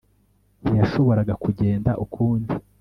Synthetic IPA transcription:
nijaʃo̞βo̞ɾaɡakuɟe̞ːndaʔukʰuːndi

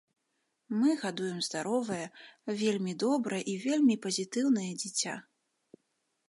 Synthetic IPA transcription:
mɨɣad̪ujɛmzd̪aɾɔvɐjɐvʲelʲmʲid̪ɔbɾɐjɛʔivʲelʲmʲipɐzʲit̪ɨwn̪ɐjɛd͡zʲit͡sʲa̰

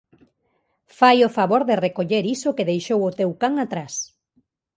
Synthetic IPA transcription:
fajofaβoɾðerekoʎeɾisokeðejʃowʊt̪ewkaŋat̪ɾas

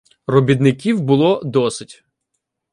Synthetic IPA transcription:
rɔbʲid̪nɪkʲiwbʊlˠɔd̪ɔsɪtʲ

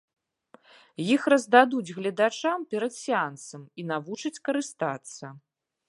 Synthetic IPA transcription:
jixrɐzd̪ad̪ud͡zʲɣlʲɐd̪at͡ʂampʲɛɾɐt̪sʲiant̪sɐminavut͡ʂɐt͡sʲkɐɾɨst̪at̪sːɐ

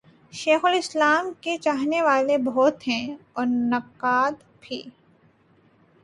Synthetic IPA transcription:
ʃeːxʊlɪslaːmket͡ʃaːɦneʋaːlebʱɔːt̪ɦɛ̃ɔːɾnɐqːaːd̪ | bʱḭː

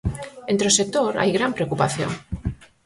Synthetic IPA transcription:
ent̪ɾeosek̚t̪oɾa̰jɣɾampɾeokupaθjo̰ŋ

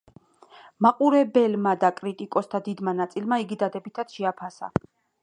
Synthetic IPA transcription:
maqʼuɾɛbɛlmad̪akʼɾit̪ʼikʼɔst̪ʰad̪id̪manat̪sʼilmaiɡid̪ad̪ɛbit̪ʰat̪ʃɛapʰasa̰

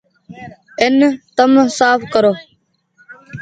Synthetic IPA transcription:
ɪnt̪əmsaːfkəɾoː

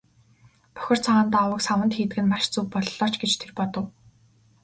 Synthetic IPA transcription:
pœ̥xʲɪ̆r̥t͡sʰaʁaːnt̪awə̆ksawə̆nt̪xiːt̪ɘ̆ɡɘ̆nmaʃt͡suːk̚pɔɮɮɔːt͡ɕɡet͡ɕt̪ʰerpɔt̪ɞ̆w

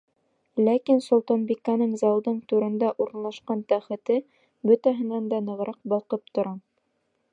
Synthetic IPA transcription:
lækinsŏlˠt̪ɑnbikɑnɤɴzɑlˠd̪ɤɴt̪ʉɾɘ̆nd̪æʔuɾɤ̆nlˠɑʃqɑnt̪æχɘ̆t̪ɘ | bɵt̪æɦɘ̆nænd̪ɑnɤ̆ʁ̆ɾɑq̚bɑlˠqɤp̚t̪ŏɾɑ

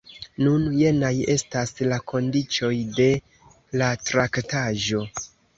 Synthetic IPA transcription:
nunje̞naje̞staslako̞ndit͡ʃo̞jde̞ | latɾaktaʒo̞

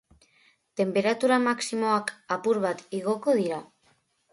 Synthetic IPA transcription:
t̪e̞mpe̞ɾat̪uɾamaksimoakapuɾβat̪iɣo̞ko̞ðiɾa

